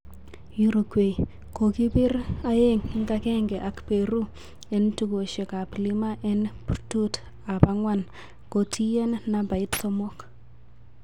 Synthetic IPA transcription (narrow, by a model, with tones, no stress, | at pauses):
ju˦ɾu˨kwe˨ | ko˨ki˦pɪ˦ra˦e˦ŋɪ˦ŋɡa˦kɛ˦ŋɡɛ˨ʔa˨kpe˨ɾu˦ | ɛ˨ntu˨ko˨ʃe˨ka˨pli˦ma˦ʔɛ˦nprtu˦t | a˨pa˦ŋwa˦˨n | ko˨tʰi˦jɛ˦nːa˨ba˨i˦tsɔ˦mɔ˦k